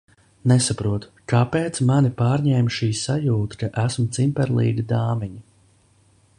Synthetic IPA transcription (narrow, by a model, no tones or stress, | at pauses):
nesapɾuɔt̪kapeːt̪smanipaːɾɲɛːmʃiːsajuːt̪ḁkaʔæsmt̪simpɛɾlˠḭːɡid̪aːmiɲi